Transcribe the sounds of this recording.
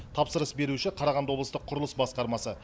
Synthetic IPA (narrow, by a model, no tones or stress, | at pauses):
t̪ʰɑpsəɾəsbe̞ɾuʃɪqʰɑɾɑʁɑnd̪wolˠəst̪əqʰːʊɾəlˠəsbɑsqɑɾmɑsə